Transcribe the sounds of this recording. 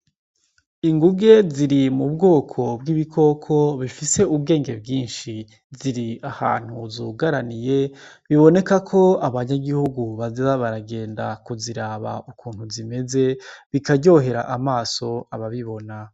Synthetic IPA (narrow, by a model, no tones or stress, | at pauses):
iŋɡuɡe̞ziɾimubɡo̞ːkʰo̞bɡiβikʰo̞kʰo̞βifise̞ubɡe̞ːŋɡe̞bɡiːnʃi | ziɾiaha̰ːn̥huzuɡaɾanije̞ | βiβo̞ne̞kakʰo̞aβaɲaɡihuɡuβazaβaɾaɡe̞ːndakuziɾaːβa̰ʔukuːn̥huzime̞ze̞βikaɟo̞ːɦe̞ɾaʔamaːso̞aβaβiβo̞na